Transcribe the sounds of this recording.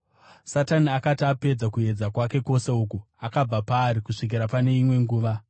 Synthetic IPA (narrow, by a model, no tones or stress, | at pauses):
sataniakatiape̞d͡zakue̞d͡zakwake̞ko̞se̞uːku | akab͡vapaːɾikuʂik̬iɾapane̞imwe̞ŋɡuːʋa